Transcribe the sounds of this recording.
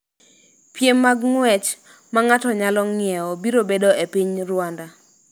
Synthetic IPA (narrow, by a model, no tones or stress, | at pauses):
pjemːaɡŋwɛt͡ʃ | maŋatɔɲalɔŋɪɛobiɾobedoepiɲrwanda